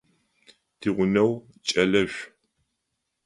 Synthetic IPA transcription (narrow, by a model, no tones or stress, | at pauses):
tʰiːʁʷʊnɐw | t͡ʃʼɐlɐʒʷ